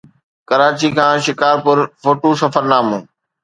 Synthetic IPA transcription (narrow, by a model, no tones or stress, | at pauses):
kəɾaːt͡ɕikʰãːʃɪkaːɾpʊɾfoːʈosɐfəɾnaːmũː